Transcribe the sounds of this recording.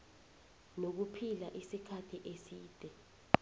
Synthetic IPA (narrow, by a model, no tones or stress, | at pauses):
nok̬upʰilaʔisikʰatʰiʔesiːd̥ʱɛ